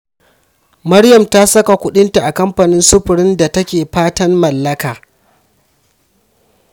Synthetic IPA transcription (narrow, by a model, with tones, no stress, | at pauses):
mɐ˦ɽjɐ˨mta˦sɐ˦ka˨kʷʊ˦ɗɪ˦nta˨ʔa˨kɐ˦mɸa˨nɪ˦nsʊ˦ɸʊ˨ɽɪ˦nda˨tɐ˦kʲeː˨ɸaː˦tɐ˦mmɐ˨lːɐ˦kaː˨